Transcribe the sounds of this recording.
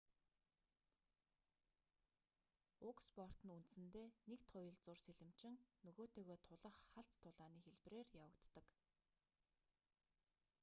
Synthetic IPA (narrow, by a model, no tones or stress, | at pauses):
ʊkspɔr̥t̪ə̆nunt̪̆sɘ̆nt̪eːnekt̪ʰʊjə̆ɮt͡sʊrseɮɘ̆m̥t͡ɕɪ̆ŋnɵɣoːt̪eːɣoːt̪ʰʊɮə̆χːaɬt͡st̪ʰːʊɮaːniːxeɮp̆reːrjawə̆kt̪ːə̆k